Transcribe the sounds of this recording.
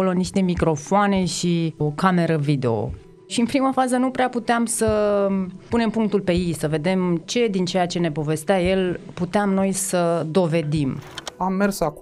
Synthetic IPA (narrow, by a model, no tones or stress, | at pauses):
oloniʃt̪e̞mikɾo̞foane̞ʃiokame̞ɾəvid̪eo̰ | ʃiɨnpɾimafazənupɾeaput̪eamsə | pune̞mpuŋk̚t̪ulpe̞jejsəve̞d̪e̞mt͡ʃe̞d̪int͡ʃe̞jat͡ʃe̞ne̞po̞ve̞st̪eaje̞lput̪eamno̞jsəd̪o̞ve̞d̪imamːersak